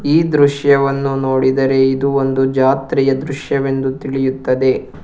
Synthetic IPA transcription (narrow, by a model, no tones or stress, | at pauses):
iːd̪ɾuʃjɐʋɐnːuno̞ːɽid̪ɐɾe̞id̪uo̞nd̪ud͡ʒaːt̪ɾijɐd̪ɾuʂjɐʋe̞nd̪ut̪iɭijut̪ːɐd̪e̞